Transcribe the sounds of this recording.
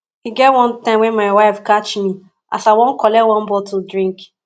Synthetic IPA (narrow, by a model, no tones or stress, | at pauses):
hiɡɛtwɔ̃ntãɪ̃mwɛ̃nmaɪwaɪfkat͡ʃmi | a̰saɪwõnkɔlɛwɔ̃nbɔtudɹĩŋk